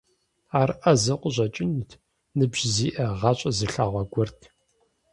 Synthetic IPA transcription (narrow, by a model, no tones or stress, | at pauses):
aːrʔɐzɨqʷʊʑʷɐt͡ʃʼɪnitʰ | nɨbʑziːʔɐʁɐɕʼɐzɨɬaːʁʷɐɡʷʊrtʰ